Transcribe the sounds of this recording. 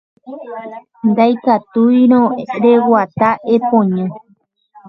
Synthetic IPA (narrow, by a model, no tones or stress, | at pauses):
nd̪ajkat̪ujɾ̃õɾe̞wat̪aʔepõɲã